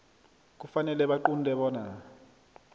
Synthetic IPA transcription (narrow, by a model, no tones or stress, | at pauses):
k̬ufanɛlɛɓaǃundʱɛɓɔːna